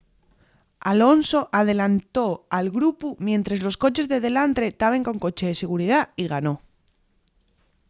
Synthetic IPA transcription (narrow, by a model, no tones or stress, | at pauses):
alo̞nso̞ʔað̞e̞lant̪o̞alɣɾupumjẽ̞nt̪ɾazlo̞sko̞t͡ʃe̞zðe̞ðe̞lant̪ɾe̞t̪aβe̞ŋko̞ŋko̞t͡ʃe̞ðe̞se̞ɣ̞uɾiðaiɣ̞ano̞